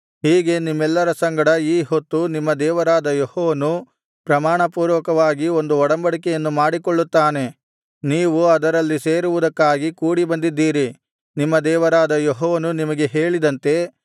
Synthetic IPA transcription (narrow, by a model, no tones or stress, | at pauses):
ɦiːɡe̞nimːɛlːɐɾɐsɐŋɡɐɽɐiːɦot̪ːunimːɐd̪ɛːʋɐɾaːd̪ɐjohɔːʋɐnu | pɾɐmaːɳɐpuːɾʋɐkɐʋaːɡio̞nd̪uɔɽɐmbɐɽikɛjɐnːumaːɽikoɭːut̪ːaːne̞ | niːʋuɐd̪ɐɾɐlːise̞ːɾuʋud̪ɐkːaːɡikuːɽibɐnd̪id̪ːiːɾi | nimːɐd̪ɛːʋɐɾaːd̪ɐjoɦɔːʋɐnunimɐɡe̞ɦe̞ːɭid̪ɐnt̪e̞